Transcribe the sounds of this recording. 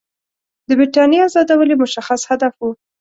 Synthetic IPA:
d̪əbɾiʈɑnjeazɑd̪awəlimʊʃaxashad̪afwu

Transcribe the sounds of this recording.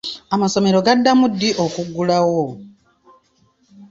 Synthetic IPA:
amaso̞me̞ɾo̞ɡadːamudːiʔo̞kuɡːulawo

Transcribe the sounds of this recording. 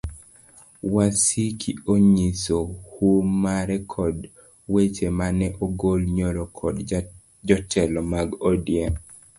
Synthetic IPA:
wasikʰioɲisohumaɾɛkʰɔd | wet͡ʃemanɛʔoɡolɲolokʰɔd | d͡ʒɔtʰɛlɔmaɡodja

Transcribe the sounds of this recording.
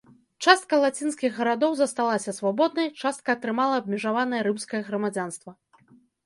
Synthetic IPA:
t͡ʂast̪̚kɐlˠat͡sʲinskʲiɣːɐɾad̪ɔwzɐst̪alˠasʲɐsvabɔd̪̚nɐjt͡ʂast̪̚kɐːt̪ɾɨmalˠɐːb̚ʲmʲiʐavanɐjɐɾɨmskɐjɐɣɾɐmad͡zʲan̪st̪vɐ

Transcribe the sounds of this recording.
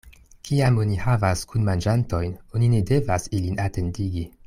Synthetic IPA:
kʰiamo̞nihavaskunmand͡ʒanto̞jno̞nine̞de̞vasilinate̞ndiɡi

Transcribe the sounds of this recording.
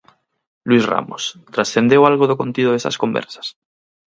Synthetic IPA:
lwisra̰mo̰st̪ɾasθe̞nd̪ewalɣoðoko̞nt̪iðoðesa̰sko̞mbḛɾsḁs

